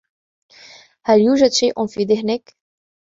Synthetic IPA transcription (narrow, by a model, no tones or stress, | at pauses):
hæljuːʒad̪ʃiːʔʊnfiːd̪ɪhnɪk